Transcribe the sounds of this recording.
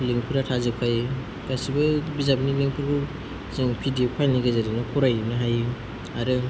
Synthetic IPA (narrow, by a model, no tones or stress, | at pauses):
leŋpʰɯɾatʰazɯkʰaj | kasibɯbizabinileŋpʰuɾkʰu | sɯŋpʰidijopʰajniɡazaɾinɯkʰɔɾajnɯɦaj | aɾɯ